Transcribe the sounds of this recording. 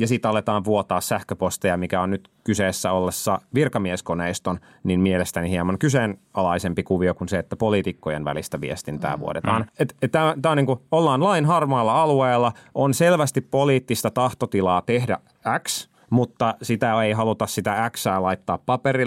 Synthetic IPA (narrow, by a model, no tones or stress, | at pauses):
jɑsit̪ːɑlːet̪ɑːʋʋuot̪ɑːssæhkøpost̪ejɑmikæonnyt̪kyseːsːæolːesːɑʋirkɑmieskoneist̪on | ninmielest̪ænihiemɑŋkysenɑlɑisempikuʋiokunseet̪ːæpoliːt̪ikːojenʋæ̰list̪æʋḭest̪int̪æ̰ːʋṵo̰tet̪ɑːnet̪et̪t̪æt̪æːoniːŋkuolːɑːnlɑinɦɑrmɑːlːɑɑlueːlːɑonselʋæst̪ippoliːt̪ːist̪ɑt̪ɑht̪ot̪ilɑːt̪ehdæ̰ʔ | æks | mut̪ːɑsit̪æeiɦɑlut̪ɑssit̪ææksæːlɑit̪ːɑːppɑperi